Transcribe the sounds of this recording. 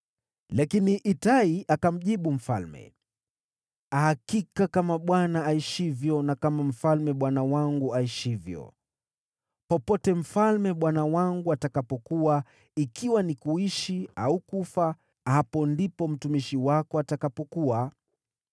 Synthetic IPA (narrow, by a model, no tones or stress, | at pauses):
lakiniʔitaiʔakam̩ʄiɓum̩fa̰lmɛ̰ | ahakikakamaɓwanaaiʃivjɔnakamam̩falmɛɓwanawaŋɡuaiʃivjɔ̰ | pɔpɔtɛm̩falmɛɓwanawaŋɡuatakapɔkuwa | ikʰiwanikuiʃiaukufa | hapɔndipɔm̩tumiʃiwakɔatakapɔkuwa